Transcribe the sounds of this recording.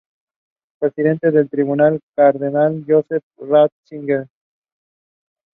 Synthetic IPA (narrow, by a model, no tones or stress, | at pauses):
pɾesiðe̞nt̪eðe̞lt̪ɾiβunalkaɾðenaljosefrat̪̚siŋɡeɾ